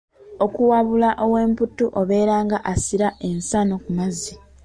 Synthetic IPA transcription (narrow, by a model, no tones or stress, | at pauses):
o̞kuwaβulaʔo̞we̞ːmputːuʔoβe̞ːɾaːŋɡaʔasiɾaʔe̞nsano̞kumazi